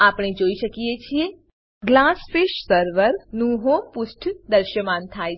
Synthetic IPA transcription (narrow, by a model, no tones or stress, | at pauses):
apɳ̃ed͡ʒoiʃəkiet͡ʃʰie | ɡlasfiʃsəɾʋəɾnũɦõpʊsʈʰd̪əɾʃjəmant̪ʰaj